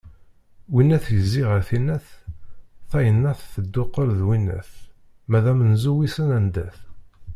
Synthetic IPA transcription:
winːæθjəzːiʁəɾθinæθ | θæjənːæθθəd̪ːʊqːəɾðwinːæ̰θ | mæðæmənzuwisənænd̪æθ

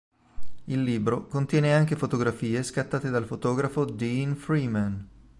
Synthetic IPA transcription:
ilːiːbɾokont̪jɛːneaŋk̟efot̪oɡɾafiːeskat̪ːaːt̪ed̪alfot̪ɔːɡɾafod̪infɾiman

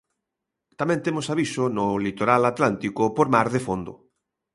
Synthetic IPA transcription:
t̪amɛ̃nt̪emosaβisʊnʊlit̪oɾalat̪lant̪ikʊpoɾmaɾðefond̪ʊ̰

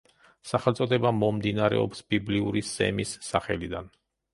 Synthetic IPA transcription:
saχɛlˠt̪sʼɔd̪ɛbamɔmd̪inaɾɛ̰ɔ̰psbibliuɾisɛ̰misːaχɛlid̪an

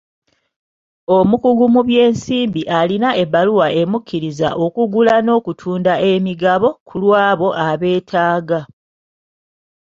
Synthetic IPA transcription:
o̞mukuɡumuβje̞ːnsiːmbiʔalinaʔe̞βaluwaʔe̞mukʰːiɾiza̰ʔo̞kuɡulano̞ːkutʰuːndaʔe̞miɡaβo̞kʰulwaːβo̞ʔaβe̞ːtʰaːɡa

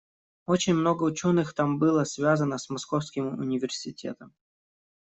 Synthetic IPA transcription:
ot͡ɕɪnʲmno̞ɡəʊt͡ɕo̞nɨxt̪ambɨlˠəsvʲazənəsmɐsko̞fskʲɪmʊ̰nʲɪvʲɪrsʲɪtʲe̞̰t̪əm

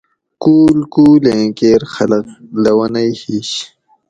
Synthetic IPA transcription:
kuːlkuːlẽːkeːɾxɐlɐklɐwɐnɐjhiːɕ

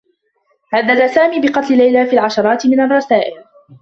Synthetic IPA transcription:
ʕaðːad̪asaːmiːbɪqɑt̪ˤlɪlajlaːfiːlʕɑʃɑɾˤɑːt̪ɪmɪnarˤːɑsaːʔɪl

